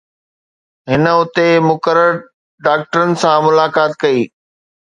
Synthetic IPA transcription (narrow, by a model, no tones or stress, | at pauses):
ɦɪnə̆ʊt̪emʊkəɾəɾ | ɖaːk̚ʈəɾənɪ̆sãmʊlaːkaːt̪kɐiː